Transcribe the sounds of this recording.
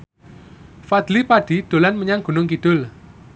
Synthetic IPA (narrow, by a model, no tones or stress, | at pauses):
fad̪̥lipaɖ̥i̤d̪̥o̤lanməɲaŋɡ̥ṳnʊŋkid̪̥ʊl